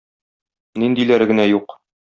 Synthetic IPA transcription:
nind̪ilæɾɡɘ̆næjuq

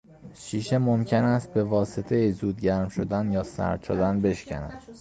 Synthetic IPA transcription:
ʃiːʃemomcʰenæst̪̚be̞vɒːset̪ʰejizuːd̪ɟæɾmʃod̪ænjɒːsæ̰ɾd̪̥t͡ʃʰod̪ænbe̞ʃcʰæ̰næ̰d̪̥

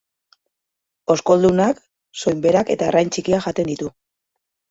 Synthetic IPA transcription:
o̞sko̞ld̪unak | so̞jmbe̞ɾake̞t̪aerajnt͡sikiaʝat̪e̞nd̪it̪u

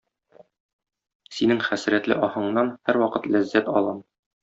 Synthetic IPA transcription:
sinɘŋχæsɾæt̪lɘ̰ʔɒhɤ̆ɴnɑnhæɾwɒqɤt̪læzːæt̪ɒ̰lˠɤm

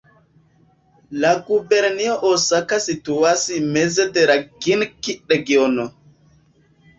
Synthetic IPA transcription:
laɡubɛɾnijɔʔɔsakasituwasimɛzɛtɛɾaɡinkiɗɛɡiɔnɔ

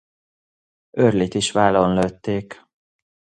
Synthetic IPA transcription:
ørliːt̪iʃʋaːlonløt̪ːeːk

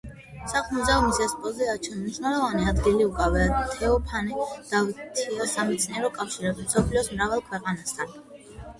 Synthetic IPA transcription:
saχmuzɛɔmisɛspʼɔziat͡ʃʰɛnmniʃwnɛlˠɔvaniad̪ɡiliukʼavɛat̪ʰɛɔpʰanid̪̥avit̪ʰiasamɛt̪sʰʼniɛɾɔkʼafʃiɾɛbisɔpʰliɔsmɾavɛlˠkʰwɛqʼanast̪ʰan

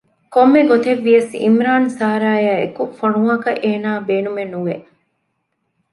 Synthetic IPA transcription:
komːeɡot̪eʋːijɐsḭmɾaːnsaːɾaːjaːekufoɳuŋɐkɐʔeːnaːbeːnumenuʋe

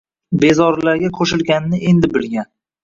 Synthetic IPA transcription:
be̞zɒɾlaɾɡʲakʰoʃɪlɡʲanɪnɪe̞nd̪ɪbɪlɡʲan

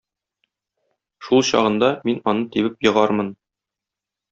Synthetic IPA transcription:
ʃulˠɕɒ̰ʁɤ̆nd̪ɑminɒnɤt̪iβɘpjɤ̆ʁɑɾmɤn

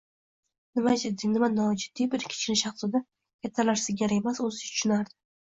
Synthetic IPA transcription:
nɪmad͡ʒɪd̪ɪnɪmanɒd͡ʒɪd̪ːijbɪɾkʲʰɪ̥t͡ʃʰnɪʃɑχsɪd̪a | kʰʲat̪ʰːalaɾsɪɡʲaɾemasozɪt̪ʰʊ̥ʃʊnaɾd̪ɪ

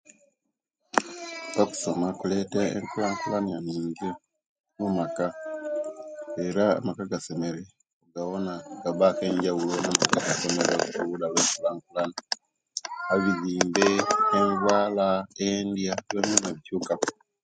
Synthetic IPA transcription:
βaku̥so̞makule̞teḛŋkulaŋkulananiːɲɡi | mumaka | e̞ɾa̰ːmakaɡase̞me̞ɾe | ŋɡaβo̞naɡaβake̞ːɲɟawulonamakaɡasomeɾokukuulaβeːŋkulaŋkulana | aβiziːmbeːɱvwaːlaendjaβjoːmonaβicukaku

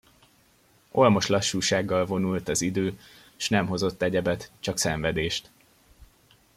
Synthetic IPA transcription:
o̞lmo̞ʃlɒʃːuːʃaːɡːɒlvo̞nult̪ɒzid̪øː | ʃnɛmɦo̞zo̞t̪ːɛɟɛbɛt̪t͡ʃɒksɛɱvɛd̪eːʃt̪

